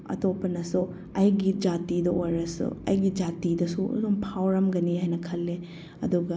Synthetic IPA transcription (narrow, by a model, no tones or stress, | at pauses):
ɐ̰topɐnɐsu | ɐjɡid͡ʒatidɐojɾɐsṵɐ̰jɡid͡ʒatidɐsṵdumpʰawɾɐmɡɐniɦajnɐkʰɐlːe | ɐ̰duɡɐ